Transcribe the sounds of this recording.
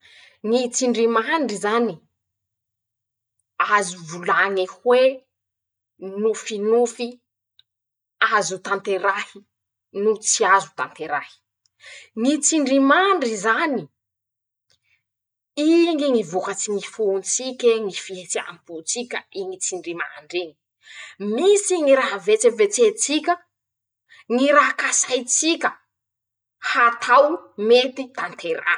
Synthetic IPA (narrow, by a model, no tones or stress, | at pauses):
ŋit͡siɳɖ͡ʐimaɳɖ͡ʐizani | azuvulaŋehwe | nufinufi | azut̪ant̪eɾahi | nut͡siazu̥t̪a̰nt̪eɾahi̥ | ŋit͡siɳɖ͡ʐimaɳɖ͡ʐizani | iŋiŋivukat͡siŋifunt͡sikʲeŋifiet͡sia̰mput͡sikʲəiŋit͡siɳɖ͡ʐima̰ɳɖ͡ʐiŋi̥ | misiŋiɾaɦavet͡sevet͡set͡sikʲə | ŋiɾaɦkasajt͡sikʲə | hat̪ʰawmet̪it̪ant̪ʰeɾa̰